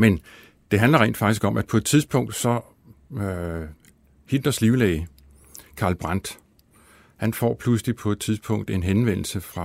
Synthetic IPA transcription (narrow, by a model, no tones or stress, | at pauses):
men | d̥e̝ɦænlɐʁɛ̰ːnd̥fɑ̈ɡ̥isɡ̥ɒ̽mʔæ̥pʰɒ̽e̝d̥̚t͡sʰiðˠsb̥ʰɔ̽ŋ̰d̥sɒ̽ | hind̥ɐsliʊlɛɪ | kʰɑ̈lb̥ʁɑn̰d̥ | hænfɒ̰ːpʰluslipʰɒ̽e̝d̥̚t͡sʰiðˠsb̥ʰɔ̽ŋ̰d̥e̝nɦenʋen̰l̩səfʁɑ̈